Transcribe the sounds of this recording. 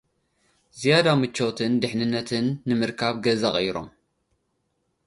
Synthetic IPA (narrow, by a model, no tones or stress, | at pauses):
zijad̪amɨt͡ʃːo̞t̪ʰɨnd̪ɨħnɨnːɐt̪ʰɨnːɨmɨɾkʰaβɡɐzaχʼɐjɾo̞̰m